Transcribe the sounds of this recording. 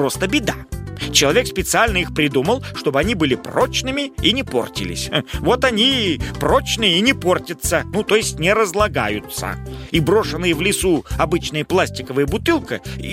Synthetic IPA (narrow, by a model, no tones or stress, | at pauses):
o̞st̪əbʲɪd̪at͡ɕɪlˠɐvʲe̞kspʲɪt̪sɨalʲnəixpɾʲɪd̪uməlˠʂt̪o̞bɨɐnʲibɨlʲɪpro̞t͡ɕnɨmʲɪinʲɪpo̞̰rtʲɪ̰lʲɪ̰sʲvo̞t̪ɐnʲipro̞t͡ɕnɨjəinʲɪpo̞rtʲət̪sənut̪o̞jɪsʲtʲnʲɪɾəzlˠɐɡa̰jʊt̪sə̰ibɾo̞ʂɨnːɨjəvlʲɪsuɐbɨt͡ɕnɨjəplˠasʲtʲɪkəvɨjəbʊt̪ɨlˠkə